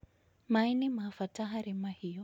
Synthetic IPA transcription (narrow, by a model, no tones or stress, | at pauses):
mainimaːfataɦaɾimahijɔ